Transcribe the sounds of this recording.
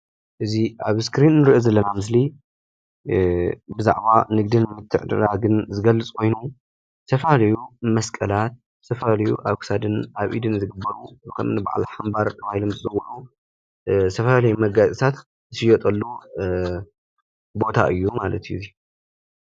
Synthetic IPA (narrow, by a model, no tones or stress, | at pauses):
ʔɨziʔaβskɾinːɨɾiʔozɐlːɐnamɨs̬li | bɨza̰ʕbanɨɡ̚d̪ɨnmɨt̪ʰːɨʕd̪ɨ̰ɾaɡɨnzɨɡɐlːɨt͡sʼkʰo̞jnu | sʰɐfalɐjumɐskʼɐlat̪̚ | sʰɐfalɐjṵʔaβkʰɨ̥sad̪ɨnʔaβʔḭd̪ɨnzɨɡɨbːɐɾukʰɐ̰mnɨba̰ʕa̰lħambaɾt̪ʰːɐβahilomzɨzʼɐwɐʔu | sʰɐfaalɐjumɐɡazʼisʰat̪ | ɨsɨjɔt̪ʼɐlːu | bo̞t̪ʰa̰ʔɨjːumalɐt̪ʰɨjuɨzi